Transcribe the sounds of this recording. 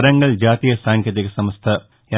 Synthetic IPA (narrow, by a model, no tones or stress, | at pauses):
ɾɐŋɡɐɭd͡ʑaːt̪ijɐsaːŋkjɐt̪iɣɐsɐmɐst̪ʰɐ | jɐ